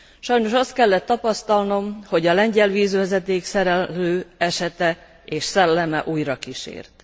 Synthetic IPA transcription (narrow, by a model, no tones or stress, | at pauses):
ʃɒjno̞ʃɒst̪̚kɛlːɛt̪ːɒpɒst̪ɒlno̞mho̞ɟɒlɛɲɟɛlʋiːzʋɛzɛt̪eːksɛɾɛøːɛʃɛt̪ɛ | eːʃsɛlːɛmɛʔuːjrɒkiʃḛːrt̪